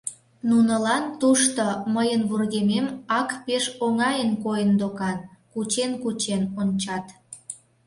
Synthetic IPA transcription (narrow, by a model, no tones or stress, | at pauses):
nunəlɑnt̪uʃt̪oməjənβurɣememɑkpeʃoŋɑjənkojənd̪okɑnkut͡ɕenkut͡ɕenonʲt͡ɕɑt̪